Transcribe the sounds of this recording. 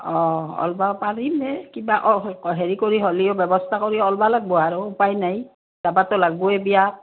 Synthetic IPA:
ɔɔ̰lbapaɹimɛkibaʔɔɦeɹikoɹiɦoliobɛbɔstʰakoɹiɔlbalaɡ̚bɔaɹʊːpajnaj | d̥abatɔlaɡuɛbija

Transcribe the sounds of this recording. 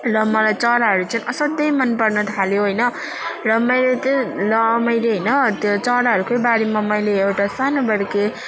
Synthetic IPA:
lʌmʌlajt͡sʌɾaɦʌɾut͡sʌnʌsʌd̪ʌjmʌnpʌrnʌt̪ʰaljoɦojnʌ | rʌmʌjɾet̪ʌlʌmʌjɾeɦʌjnʌt̪jot͡sʌɾaɦʌɾukojbaɽimamʌjleewʈasanobʌɾke

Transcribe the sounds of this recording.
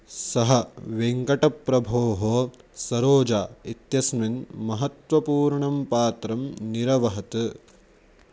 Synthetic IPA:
sɐɦɐʋeŋkɐʈɐpːɾɐbʱoːɦoː | sɐɾoːd͡ʒaːit̪jɐsminmɐɦɐt̪ʋɐpuːɾɳɐmpaːt̪ɾɐmniɾɐʋɐɦɐt̪ɨ

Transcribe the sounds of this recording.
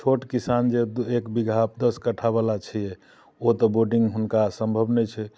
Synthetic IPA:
t͡ʃʰoʈkisand͡ʒeekbiɡʱap̚d̪əskəʈʰabalat͡ʃʰijɛ | ot̪ɔboɖĩŋɡɦunkasə̃mbʱəbnɛt͡ʃʰɛ

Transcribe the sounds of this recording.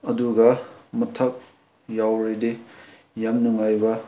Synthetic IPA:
ɐduɡɐmɐtʰɐk̚ | jawɾede | jamnuŋajbɐ

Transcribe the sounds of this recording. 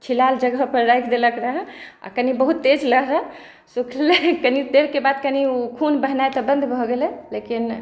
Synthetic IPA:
t͡ʃʰilald͡ʒəɡəɦpəɾɾajkʰd̪eləkɾəɦə̃a̰kənibəɦut̪ːed͡ʒləɦɾə | sukʰlelekənit̪eɾkebad̪̚kəniukʰunbəɦnajt̪ɔbə̃nd̪ʱbʱɔɡelɛlekin

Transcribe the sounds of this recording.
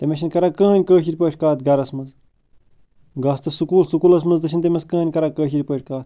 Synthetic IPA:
t̪emʲeʃinʲkɐɾakəːɦɐnʲkəːʃiɾʲpəːʈʰʲkaːt̪ɡɐɾɐsmɐz | ɡɐːst̪ɐsukuːlsukulɐs̬mɐzd̪ɨʃʰinʲt̪̬emɐskəːɐnʲkɐɾakəːʃiɾʲpəːʈʰʲkaːt̪̚ʰ

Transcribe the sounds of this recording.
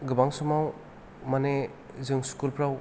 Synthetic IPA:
ɡɯbaŋsumaw | mane | zɯŋskulpʰɾaw

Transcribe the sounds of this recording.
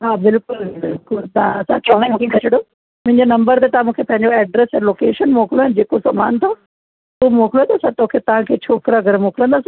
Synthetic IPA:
ɦaːbɪlkʊlbɪlkʊlt̪ãɐsãt͡ɕʰɐ̃kekʰɐt͡ʃʰɪɽo | mʊ̃ɦɪ̃ɲd͡ʑenɐ̃mbəɾt̪et̪ɐãmũːkʰepɐ̃ɦɪ̃ɲd͡ʑoɛːɖɾesɦɛloːkeːʃənmoːkɪloɛnd͡ʑeːkosɐma̰ːnt̪ʰo | umoːkɪlot̪ɐsãt̪okʰet̪ɐʋ̤ãkʰeːt͡ɕʰoːkɾaɡəɾmoːkɪlə̃nd̪aːs

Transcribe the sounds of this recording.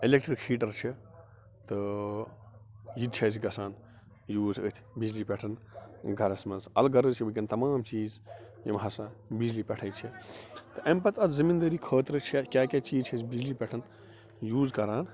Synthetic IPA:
ilek̚ʈɾikʰhiːʈɐɾt͡ʃʰi | t̪ɨ | jid̪̚t͡ʃʰɐːsʰiɡɐsaːn | juːzə̰t̪ʰbid͡ʒlipʲeʈʰɐnɡʱɐɾɐsmɐnsɐ̰lɡɐɾəzt͡ʃʰibɐkʲint̪ɐmaːmt͡ʃiːz | jɐ̰mɦɐsabid͡ʒlipʲɐʈʰɐjt͡ʃʰit̪ɨʔɐmpɐt̪ʰɐzzimind̪ɐɾiːkʰəːt̪ɾɨt͡ʃʰɐkʲaːkʲat͡ʃiːzt͡ʃʰɐsbid͡ʒlipʲɛʈʰɐn | juːzkɐɾaːn

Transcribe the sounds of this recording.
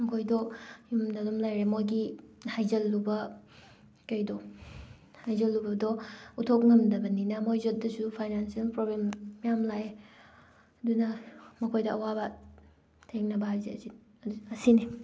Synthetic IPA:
mɐkʰojdɔjumdɐlomlajɾemojɡihajzɐlːubɐ | kɐjdɔ | hajzɐlːubɐdɔutʰok̚ŋɐmdɐbɐninɐmojzot̚dɐsupʰajnansiɐlpɾoblemːijamlaj | ɐdunɐmɐkʰojdɐʔɐwabɐ | tʰeŋnɐbɐhajzḛɐsi | ɐsini

